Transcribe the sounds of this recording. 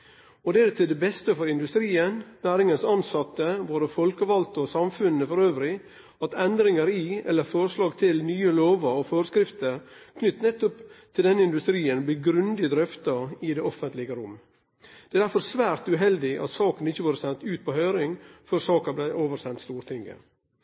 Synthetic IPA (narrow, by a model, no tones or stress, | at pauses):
ɔd̪ɛæɾt̪ʰɪld̪ɛbɛst̪əfɔɾɪnd̪ʉst̪ɾiːənnæːɾɪŋənsɑnsɑt̪ːəʋoːɾəfɔlkəʋɑlt̪ɔsɑmfʉnːəfɔɾøːʋɾɪ | ɑt̪ɛnd̪ɾɪŋəɾɪɛ̰lːəɾfɔɾəʂlɑːɡt̪ʰɪlnyːəloːʋəɾɔføːɾəskɾɪft̪əɾkʰnʏt̪ːnɛt̪ːɔpt̪ʰɪld̪ɛnːəɪnd̪ʉst̪ɾiːənblɪɡɾʉnd̪ɪd̪ɾœft̪ɑɪd̪ɛɔfənt̪lɪɡəɾʊmː | d̪̥ɛæːd̪æɾfɔɾsʋæːɾt̪ʉɦɛld̪ɪʔɑ̰t̪sɑːkənɪçːəʋoːɾəsɛnt̪ʉːt̪̚pʰɔhœʏɾɪŋfœɾsɑːkɑblɛʔoːʋəɾsɛnt̪st̪uːɾt̪ʰɪŋːə̰